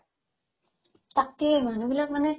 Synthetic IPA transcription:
t̪ak̚t̪iejmanubilak̚manɛ

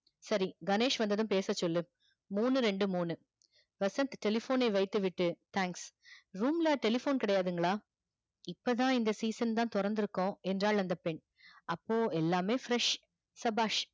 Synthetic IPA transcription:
sɐɾiɡɐneːʂʋɐnd̪ɐðɯmpeːsɐt͡ʃːɔlːɯ | muːnɯɾɛɳɖɯmuːnɯ | ʋɐsɐ̃nt̪ʈɛlɪfoːnɐɪʋɐɪt̪ːɯʋɪʈːɯt̪ʰãːŋksɾuːmlaːʈɛlɪfoːnkɪɽɐjaːðɯŋɡɐɭaː | ɪpːɐt̪ãːɪnd̪ɐsiːsɐnt̪ãːt̪ʊɾɐnd̪ɪɾɯkːõɛndraːlɐnd̪ɐpɛɳ | ɐpːoːɛlːaːmeːfɾɛʂ | sɐbaːʂ

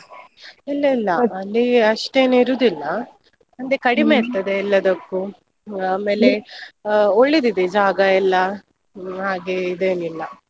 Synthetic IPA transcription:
ilːɐilːɐɐlːiɐʂʈeːnuiɾuːd̪ilːɐ | ɐnd̪ekɐɽimeːɾt̪ːɐd̪e̞ilːɐd̪ɐkːu | aːme̞ːle̞ | oɭːid̪id̪ed͡ʒaːɡɐilːɐ | ɦaːɡeid̪e̞ːnilːɐ

